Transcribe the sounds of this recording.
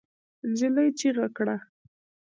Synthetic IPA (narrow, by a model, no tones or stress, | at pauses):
nd͡ʒɪlajt͡ʃiɣakɽa